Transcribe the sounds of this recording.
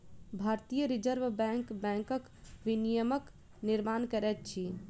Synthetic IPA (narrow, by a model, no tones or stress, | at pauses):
bʱaɾt̪ijəɾid͡ʒəɾʋbɛ̃ŋkbɛ̃ŋkək | ʋinijəmək | niɾmankəɾɛt̪̚t͡ʃʰi